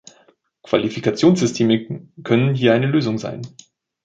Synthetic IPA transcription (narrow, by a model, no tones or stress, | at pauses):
kv̥a̰lifikat͡sjoːnsz̥ʏstʰeːməkʰœnənɦiːɐʔaɪnəløːzʊŋza̰ɪn